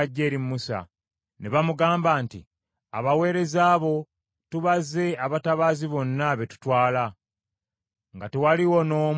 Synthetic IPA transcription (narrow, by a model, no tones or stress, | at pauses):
aɟːe̞ːɾimmusa̰ | neβamuɡaːmbaːntḭ | a̰βawe̞ːɾe̞zaːβo̞ | tuβaze̞aβataβaːziβo̞nːaβe̞tu̥twaːla | ŋɡatewaliwo̞no̞ːm